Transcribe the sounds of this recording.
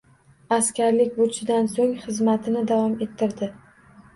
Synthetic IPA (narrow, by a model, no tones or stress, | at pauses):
askʲaɾlɪkʲbot͡ʃʰɪd̪ansoŋχɨzmat̪ʰɪnɪd̪avɒme̞t̪ʰːɪɾd̪ɪ